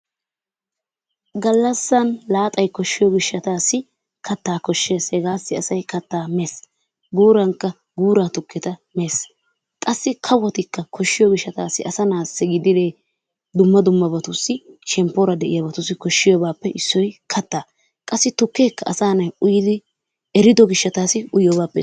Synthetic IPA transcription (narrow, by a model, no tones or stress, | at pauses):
ɡɐlːɐsːɐnlaːt̪ʼɐjkɔʃːɪjɔɡɪʃːɐt̪aːsːɪ | kʰɐt̪ːaːkɔʃːe̞ːshɛɡaːsːɪɐsɐjkɐt̪ːaːmeːs | ɡuːɾɐŋkːɐ | ɡuːɾaːt̪ʊkʰːɛt̪ɐme̞ːs | kʼɐsːɪkʰɐwɔt̪ɪkːɐkʰɔʃːɪjɔɡɪʃːɐt̪aːsːɪʔɐsɐnaːsɛɡɪd̪ɪd̪eː | d̪ʊmːɐd̪ʊmːɐbɐt̪ʊsːɪʃɛmpːoːɾɐd̪ɛʔɪjɐbɐt̪ʊsːɪkɔʃːɪjɔbaːpːɛʔɪsːɔjkʰɐt̪ːaː | kʼɐsːɪt̪ʊkːeːkːɐʔɐsaːnɐjʊjɪd̪ɪ | ɛɾɪd̪ɔɡɪʃːɐt̪aːsɪʊjjɔbaːpːɛ̰